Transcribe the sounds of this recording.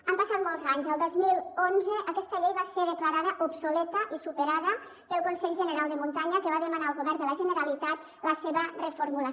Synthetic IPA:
ampasat̪̚mɔlˠzaɲzəlˠd̪ozmilˠonzəʔəkɛst̪əʎejβaseðəklaɾaðəʔopsulɛt̪əʔisupəɾaðə | pəlˠkunsɛʎʒənəɾalˠd̪əmunt̪aɲəkəβaðəmanaəlˠɣoβɛɾd̪ələʒənəɾalit̪at̪ | ləseβərəfoɾmulə

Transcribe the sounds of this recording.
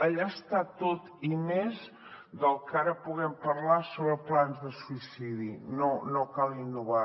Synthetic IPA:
əʎast̪at̪ot̪imez | d̪əlˠkaɾəpuɣɛmpəɾlasoβɾəplanzðəsuisiðinonokalinːuβa

